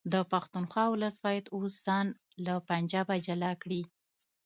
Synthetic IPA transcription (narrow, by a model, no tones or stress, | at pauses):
d̪əpaxt̪unxwɑwʊləsbɑjad̪osz̥ɑn | lapand͡ʒɑbad͡ʒalakɽi